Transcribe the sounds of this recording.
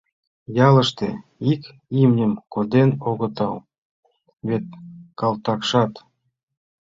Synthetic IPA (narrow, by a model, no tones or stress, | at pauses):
jɑlə̆ʃt̪ḛ | ik | imnʲəmkod̪enoɣɤ̆t̪ɑw | βet̪̚kɑlt̪ɑkʃɑt̪